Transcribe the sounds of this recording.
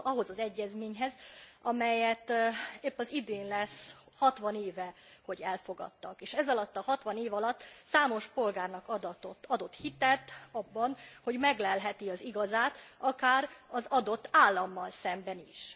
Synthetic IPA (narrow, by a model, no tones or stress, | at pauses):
ɒɦo̞zɒzɛɟːɛzmeːɲɦɛzɒmɛjɛt̪epːɒzid̪eːnlɛs | hɒt̪ʋɒneːvɛho̞ɟɛlfo̞ɡɒ̰t̪ːɒkeːʃɛzɒlɒt̪ːɒɦɒt̪ʋɒneːvɒlɒt̪ːsaːmo̞ʃpo̞lɡaːrnɒkɒd̪t̪ot̪ɒd̪o̞t̪hit̪ɛt̪ɒbːɒnho̞ɟmɛɡlɛlɦɛt̪iɒziɡɒzaːt̪ɒkaːɾɒzɒd̪o̞t̪ːaːlːɒmːɒlsɛmbɛniʃ